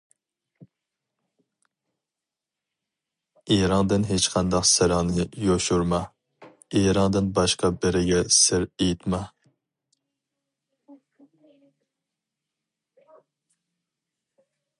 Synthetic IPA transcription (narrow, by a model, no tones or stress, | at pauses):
eɾɑŋd̪ɨnɦet͡ʃqʰɑnd̪ɑqsɪɾɪŋnɨjoʃuɾmɑ | eɾɑŋd̪ɨnbɑʃqɑbɪɾɪɡʲɛsɪɾejit̪mɑ